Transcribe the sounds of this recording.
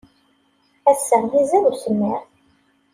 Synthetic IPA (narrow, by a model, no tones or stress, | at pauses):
æsːəʁjizæðusəmːiɾ